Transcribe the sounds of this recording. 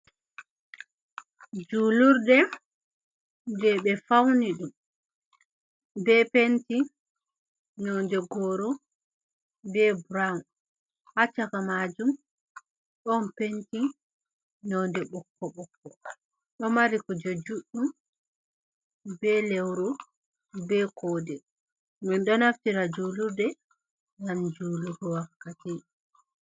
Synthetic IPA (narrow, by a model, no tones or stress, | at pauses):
d͡ʒuluɾdɛ | ndɛɓɛfawniɗum | bɛpenti | nɔndɛɡɔːɾɔ | bɛbɾaw | hat͡ʃakamaːd͡ʒum | ɗɔnpenti | nɔndɛɓɔkːɔɓɔkːɔ | ɗɔmaɾikɔd͡ʒod͡ʒuɗːum | bɛlɛwɾɔ | bɛkʰɔːdɛ | minɗɔnaftiɾad͡ʒuluɾdɛ | jand͡ʒuːluɡɔwakːati